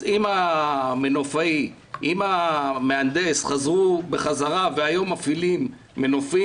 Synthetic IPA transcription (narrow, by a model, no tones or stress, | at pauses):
imamenofai | imameand̪e̞sχazʁubeχazaʁaveajomafilimː | e̞nofi